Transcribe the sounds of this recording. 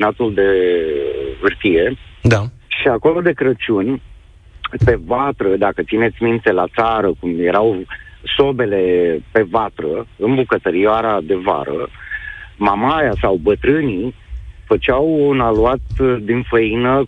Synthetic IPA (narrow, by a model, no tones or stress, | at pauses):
nat̪uld̪e̞ | ɨrt̪ije̞d̪aʃiako̞lo̞d̪e̞kɾət͡ʃunʲ | pe̞vat̪ɾəd̪akət̪sine̞t̪sʲmint̪e̞lat̪saɾəkumjeɾawso̞be̞le̞pe̞vat̪ɾəɨnbukət̪əɾioaɾad̪e̞va̰ɾə̰ | mamajasawbət̪ɾɨnifət͡ʃawunaluat̪d̪infəinə